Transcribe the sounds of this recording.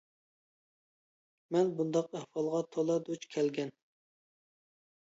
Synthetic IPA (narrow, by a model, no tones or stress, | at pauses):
mɛnbund̪ɑqæhfɑlˠʁɑt̪ʰolˠɑd̪ot͡ʃkʲʰɛlɡʲɛn